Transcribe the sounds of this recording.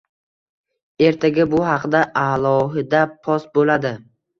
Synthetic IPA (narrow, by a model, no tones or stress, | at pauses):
e̞ɾt̪ʰaɡʲabʊɦɑqd̪aʔalˠɒɦɪd̪apʰɒsbolad̪ɪ